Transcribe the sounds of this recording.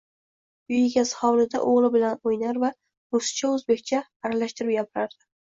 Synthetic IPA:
ʊjɪɡʲashɒwlɪd̪a̰ʔoʁlˠɪbɪlanojnaɾva | osɪ̥t͡ʃʰaɵzbe̞kʲt͡ʃʰaːɾalaʃt̪ʰɪɾɪpjapɪɾaɾd̪ɪ

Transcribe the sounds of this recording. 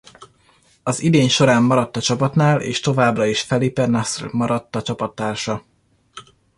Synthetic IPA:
ɒzid̪eːɲʃo̞ɾaːmːɒɾɒt̪ːɒt͡ʃɒpɒt̪naːlḛːʃt̪o̞vaːbrɒiʃfɛlipɛrnasmɒɾɒt̪ːɒt͡ʃɒpɒt̪ːaːrʃɒ

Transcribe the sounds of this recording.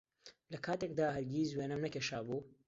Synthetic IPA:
lɐkʰaːt̪ek̚d̪aːɦɐɾɡʲiːzweːnɐmnɐkʲeːʃaːbuː

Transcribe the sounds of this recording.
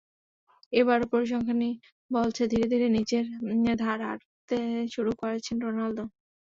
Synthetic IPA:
eβaɾpoɾiʃ̬ɔŋkʰani | bolt͡ɕʰed̪ʱiɾed̪ʱiɾenid͡ʑeɾd̪ʱaɾa̰ɾ | t̪eʃuɾukoɾet͡ɕʰenɾonald̪o

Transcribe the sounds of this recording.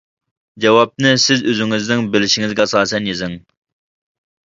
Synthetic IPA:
d͡ʒɛwɑp̚nɨsɪzøzɪŋɪznɪŋbɪlɪʃiŋɪzɡʲɛsɑːsɛnjezɪŋ

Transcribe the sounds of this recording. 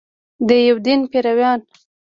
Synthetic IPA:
d̪əjawd̪inpeɾawjɑn

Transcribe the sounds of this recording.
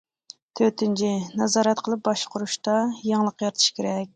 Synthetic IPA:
t̪ʰøt̪ʰɪnt͡ʃʰinɑzɑːɾɛt̪̚qʰəlˠɨp̚bɑʃqʰʊɾuʃt̪ɑjeŋlˠəqjɑɾɨt̪ʰɨ̥ʃkʲʰeɾɛk̚ʲ

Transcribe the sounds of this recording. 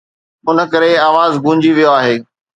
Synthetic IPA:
ʊnə̆kɐɾeaːʋaːzɡũːɲd͡ʑiʋijoaːɦeː

